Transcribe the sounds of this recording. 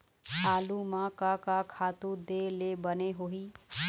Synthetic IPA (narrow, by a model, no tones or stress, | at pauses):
alumakakakʰat̪ud̪elebəneɦoɦi